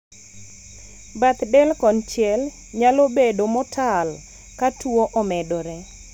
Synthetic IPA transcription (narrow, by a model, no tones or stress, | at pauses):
bat̪dɛlkɔnt͡ʃjɛl | ɲalobedomɔtʰal | katwoʔɔmɛdɔɾɛ